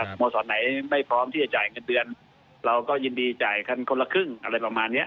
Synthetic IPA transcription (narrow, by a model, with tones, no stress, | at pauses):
a˧˩mɔː˧sɔː˨˩˦nːa˩˦jma˥˩jpʰɾɔː˦˥mt̪ʰiː˥˩t͡ɕa˧˩t͡ɕaː˨˩jŋɤ˧ndɯ˧ən | ɾa˧wkɔː˥˩jɯː˧ndiː˧t͡ɕaː˨˩jkʰa˧˥˩nkʰo˧la˧kʰɯ˥˩ŋʔa̰˧ɾa˧jpa˧˩maː˧nːi˦˥ɐʔ